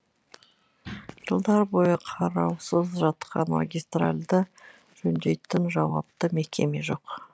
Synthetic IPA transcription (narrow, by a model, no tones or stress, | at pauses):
ʒ̥əlˠd̪ɑɾbo̞jəqʰɑɾɑwsəzʒɑt̪qʰɑ̰nma̰ɡʲijst̪ra̰lʲd̪ə | ʒ̥ɵnd̪e̞jt̪ɪnʒɑwɑ̰p̚t̪əme̞kʲe̞me̞ʒo̞q